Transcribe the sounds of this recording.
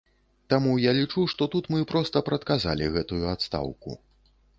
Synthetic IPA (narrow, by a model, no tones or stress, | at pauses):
t̪amujalʲit͡ʂuʂt̪ɔt̪ut̪mɨpɾɔst̪ɐpɾɐt̪kaza̰lʲiɣɛt̪ujuat̪st̪a̰wkṵ